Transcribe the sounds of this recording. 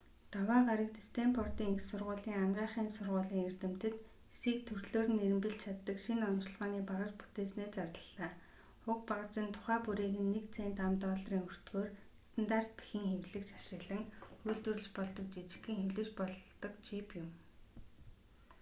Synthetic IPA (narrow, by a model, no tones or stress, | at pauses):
t̪awaːɢaɾə̆k̚t̪ʰist̪ʰeːmpʰɔrt̪iːŋiksʊrʁʊːɮiːŋamɢiːɴχiːnsʊrʁʊːɮiːŋer̥t̪ɘ̆m̥t̪ɘ̆t̪ | esiːk̚t̪ʰɵr̥ɮoːr̆neɾɘ̆mpɘ̆ɬt͡ɕʰat̪ːə̆kʃinɔnt͡ɕ̆ɮʁɔːniːpaʁə̆t͡ɕpu̥t̪eːsneːt͡sarəɮaː | χʊkpaʁə̆t͡ɕɪ̆nt̪ʰʊ̥χæːpuɾeːɣɘ̆nːekt͡sʰeːnt̪amt̪ɔːɮriːŋɵr̥t̪ɡoːr | st̪ʰant̪ar̥t̪̚pi̥xɘ̆ŋxewɮɘ̆kt͡ɕḁʃrə̆ːɮə̆ŋxujɮt̪ɵ̆rɘ̆t͡ɕpɔɮt̪ɞ̆k̚t͡ɕit͡ɕɪ̥̆kːiːŋxewɮɘ̆t͡ɕpɔɮt̪ɞ̆kt͡ɕipjʊm